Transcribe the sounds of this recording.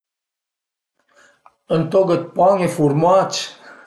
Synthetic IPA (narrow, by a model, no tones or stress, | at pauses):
ənt̪oɡət̪̚pɑŋefuɾmat͡ʃ